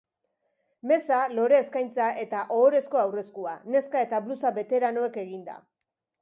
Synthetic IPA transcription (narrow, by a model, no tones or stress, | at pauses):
me̞salo̞ɾe̞ːskajnt͡saʔe̞t̪aʔo̞ːɾe̞sko̞awre̞skuane̞skae̞t̪aβlusaβe̞t̪e̞ɾano̞e̞ke̞ɣind̪a̰